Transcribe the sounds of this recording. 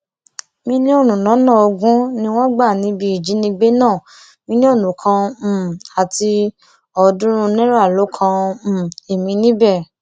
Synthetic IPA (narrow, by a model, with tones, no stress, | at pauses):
mĩ˧nĩ˦o˦˨nũ˨nã˨˦nã˦˨o˧ɡũ˦nĩ˧w̃ɔ̃˦ɡ͡ba˦˨nĩ˨˦bi˧i˨d͡ʒi˨˦nĩ˧ɡ͡be˦nãː˦˨ | mĩ˧nĩ˦o˦˨nũ˨kʰã˧˨ | a˨ti˧ | ɔ˧dũ˦ɾ̃ũ˧nɛ̃˦ɾa˦˨lo˨˦kʰã˧˦˨ | e˨mĩ˧˦nĩ˦bɛ˦˨